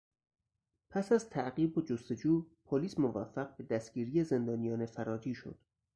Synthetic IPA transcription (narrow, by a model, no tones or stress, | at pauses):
pʰæsæzt̪ʰæʔɢiːbod͡ʒost̪e̞d͡ʒuːpʰoliːsmovæfːæɣ̚be̞d̪æst̪ɡ̥iːɾiːjeze̞nd̪ɒːnijɒːnefæɾɒːd͡ʒiːʃo̰d̪̥